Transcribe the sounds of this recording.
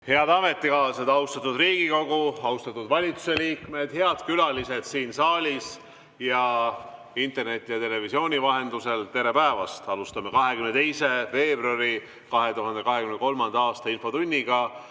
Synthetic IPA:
he̞ɑd̪ɑme̞t̪ːˑikɑːlsed̪̥ɑust̪ɑt̪ːˑud̪riːɡ̥iko̞ɡuɑust̪ɑt̪ːˑud̪vɑlʲit̪su̥se̞liːkme̞d̪̥he̞ɑd̪̥kylɑlise̞d̪̥siːnsɑːlʲis | jɑ | int̪ːˑe̞rne̞t̪ːˑijɑt̪e̞le̞visio̞ːnʲivɑɦe̞nd̪use̞lt̪e̞ɾe̞pæevɑst̪ɑlust̪ɑme̞kɑɦe̞kymnet̪e̞jse̞ve̞ːbruɑɾi | kɑɦe̞t̪uɦɑnd̪̥e̞kɑɦe̞kymnko̞lmɑnd̪̥ɑɑːst̪ɑinfo̞t̪unʲːiɡ̥ɑ

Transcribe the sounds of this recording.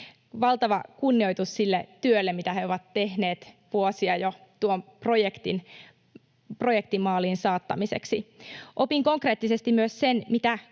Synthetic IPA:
ʋɑlt̪ɑʋɑkunːiojt̪ussilːet̪yølːemit̪æheoʋɑt̪ːe̞hne̞ːt̪ | ʋuosiɑjot̪uompro̞jekt̪ḭn | pro̞jek̚t̪imːɑːlinsɑːt̪ːɑmise̞̰ksiʔo̞piŋko̞ŋkre̞ːt̪ːise̞st̪immyøssenmit̪æ

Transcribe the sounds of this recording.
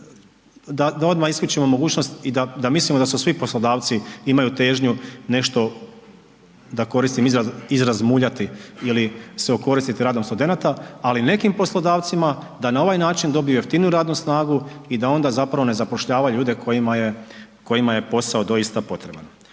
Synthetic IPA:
d̪ad̪ao̞d̪maxisklut͡ʃimo̞mo̞ɡuːt͡ɕno̞st̪id̪ad̪amislˠimoasusʋipo̞slˠo̞d̪aːʋt̪siimajut̪e̞ːʒɲune̞ʃt̪o̞ | d̪ako̞ɾist̪imizaizɾazmuːʎat̪iiliseoko̞ɾist̪it̪iɾaːd̪o̞mst̪ud̪e̞nat̪aːline̞kimpo̞slˠo̞d̪aːʋt̪sima | d̪anao̞ʋajnaːt͡ʃind̪o̞bijujeft̪inuɾaːd̪nusnaːɡuid̪ao̞nd̪azapɾaʋo̞ne̞zapoʃʎaːʋaʎuːd̪e̞kʰo̞jimaje̞ | ko̞jimaje̞po̞saod̪o̞jist̪apo̞t̪ɾe̞ba̰n

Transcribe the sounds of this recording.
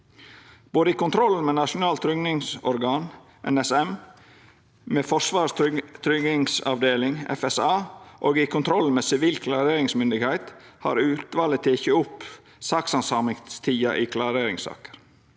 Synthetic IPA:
b̥oːd̪əikʊnt̪ʰɾɔln̩meːnɑʂʊnɑːlt̪ʰɾʏɡnɪŋsɔɾɡɑːn | ʔɛ̰nɛsɛm | meːfɔʂʋɑːst̪ʰɾʏɡ̪ɪŋsɑ̰ʋd̪eːlɪŋɛ̰fɛsɑːʔoːɡɪkʊnt̪ʰɾɔl̩meːsɪʋiːlkʰlɑɾeːɾɪŋsmʏnd̪ɪɡhæɪt̪hɑ̰ɾʉːt̪ʋɑːlət̪ʰeçəʊp | sɑːksɑnsɑːmɪŋst̪ʰiːɑ̰ʔɪːkʰlɑɾeːɾɪŋsɑ̰ːkə̥ɾ

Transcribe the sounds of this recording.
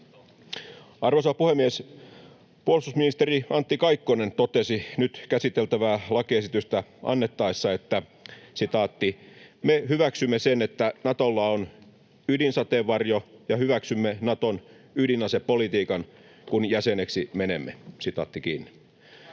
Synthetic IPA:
ɑrʋosɑpuhemːies | puolsusminist̪eriɑnt̪ːikɑikːonent̪ot̪esinyt̪kæsit̪elt̪æʋæːlɑkiesit̪yst̪æʔɑ̰nːet̪ːɑisːɑet̪ːæsit̪ɑːt̪ːimehyʋæksymːesenet̪ːænɑt̪olːɑon | ydinsɑt̪eʋːɑrjojɑhyʋæksymːenɑt̪on | ydinɑsepolit̪iːkɑn | kunjæseneksimenemːesit̪ɑ̰ːt̪ːikiːnːi

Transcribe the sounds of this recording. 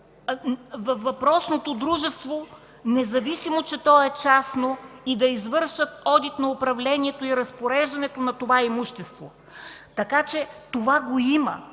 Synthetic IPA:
vɐvɐpɾɔsnot̪od̪ɾuʒɛst̪vo | nɛzɐvisimot͡ʃɛt̪ɔɛt͡ʃasnoid̪ɐizvɤɾʃət̪ɔd̪it̪nɐʊpɾɐvlɛniɛt̪oiɾɐspoɾɛʒd̪ɐnɛt̪onɐt̪ovaimuʃt̪ɛst̪vo̰ | t̪ɐkat͡ʃɛt̪ovaɡoimɐ̰

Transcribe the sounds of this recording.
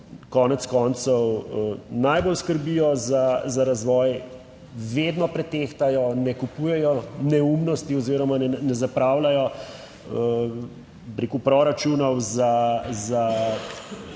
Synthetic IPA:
kɔːnɛt̪skɔːnt̪sɔw | najbolskəɾbijɔzazaɾazʋɔːj | ʋeːd̪nɔpɾɛt̪eːxt̪ajɔnɛkupuːjɛjɔnɛumnɔst̪iɔziːɾɔmanɛnɛzapɾawlajɔ | ə | bɾekupɾɔɾat͡ʃunɔwzaza

